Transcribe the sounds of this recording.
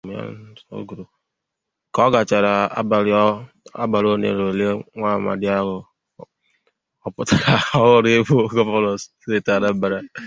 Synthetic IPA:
m˦a̰˦so̰˦ɡu˨ɾo˨ | kɔ˦ɡa˨t͡ʃa˨ɾa˨˦˨ | a̰˦ba˨ɾo˦nḛ˨ɾo˨le˦ŋʷa˦˨ma̰˨dɪ˦a˦ɦʊ˨ | ɔ˨pʊ˦ta˨ɾa˨ɔ˦ɣʊ˦ɾe˦bu˦ɡɔ˦pɔ˦lɔ˨sse˦˨ta˨ɾa˦ba˨ɾa˦

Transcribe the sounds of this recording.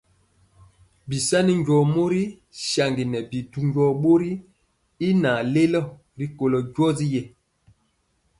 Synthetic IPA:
bi˨sa˦ni˦ɲɟɔ˨mo˦ɾi˦ | ʃa˨ŋɡi˨nɛ˨bi˨du˨ɲɟɔ˨ɓo˦ɾi˦ | i˦na˨le˦lɔ˦˨ | ɾi˦ko˨lɔ˨ɟwɔ˦zi˦jɛ˨

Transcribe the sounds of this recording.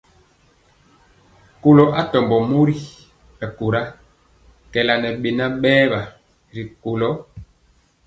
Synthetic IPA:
ko˨lɔ˨ʔa˦tɔ˨mbɔ˨mo˦ɾi˦ | ɛ˨ko˨ɾa˦ | kɛ˨la˨nɛ˨ɓe˨na˦ɓɛː˦ba˨ | ɾi˨ko˨lɔ˦

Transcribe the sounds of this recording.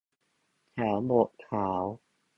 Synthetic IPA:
t̪ʰɛː˩˦wbo˨˩ʔkʰaː˩˦w

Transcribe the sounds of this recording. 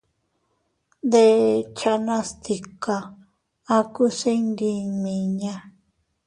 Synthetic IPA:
nd̪e˧t͡ʃa˧nã˦st̪i˧ka˧ | a˧ku˦se˦nd̪i˧mĩ˨˧ɲã˦˧

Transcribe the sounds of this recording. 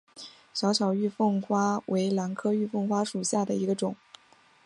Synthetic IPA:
ɕjɑ˧˥ʊɕʰjɑ˨˩ʊy˥˧fɤ˥˩ŋxwa˥wʔe˧˥ɪla˧˥nkʰɤ˥y˥˧fɤ˥˩ŋxwa˥ʂu˨˩ɕja˥˩d̪ə˩i˧˥ɡə˧ʈ͡ʂʊ˨˩˦ŋ

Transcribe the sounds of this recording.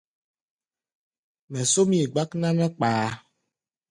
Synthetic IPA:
mɛ̃˨so˦mĩ˦e˨ɡ͡ba˦knã˦nɛ̃˦k͡paː˨˦

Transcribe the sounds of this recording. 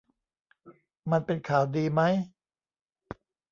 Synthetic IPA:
ma˧npe˧nkʰaː˩˦wdiː˧ma˦˥j

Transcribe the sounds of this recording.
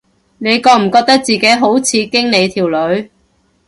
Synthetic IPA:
ne˨˧jkɔː˧m̩˨˩kɔː˧k̚t̪ɐ˥k̚t͡siː˨ke˨˥jɦo˨˥wt͡sʰiː˨˧kɪ˥ŋne˨˧jt̪ʰiː˨˩wlɵ˨˧ɥ

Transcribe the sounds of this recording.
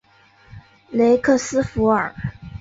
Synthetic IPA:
le˧˥ɪkʰɤ˥˩sɹ̩˥fu˧˥ə̰˨˩˦

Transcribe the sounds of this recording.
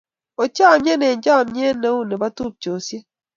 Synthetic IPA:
o˨t͡ʃa˦˨mje˦ne˨ɲd͡ʒa˦˨mɲje˦ne˦u˦ne˨ba˦tu˦p̚t͡ʃo˨sje˦

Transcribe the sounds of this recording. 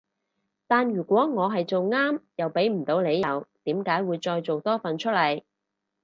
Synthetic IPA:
t̪aː˨nɥyː˨˩kʷɔː˨˥ŋɔː˨˧ɦɐ˨jt͡so˨wŋaː˥mjɐ˨wpe˨˥jm̩˨˩t̪o˨˧wne˨˧jɐ˨wt̪iː˨˥mkaː˨˥jwuː˨˧jt͡ʃɔː˧jt͡so˨wt̪ɔː˥fɐ˨nt͡ʃʰɵ˥t̚lɐ˨˩j

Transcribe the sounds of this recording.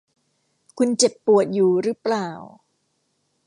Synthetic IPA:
kʰu˧nt͡ɕe˨˩pːu˨˩ət̪̚juː˨˩ɾɯ˦˥plaː˨˩w

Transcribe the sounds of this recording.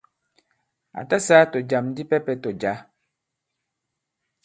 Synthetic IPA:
a̰˨ta˦sa˦to˨d͡ʒa˨m˦di˦pɛ˦pɛ˦to˨d͡ʒa˨˦

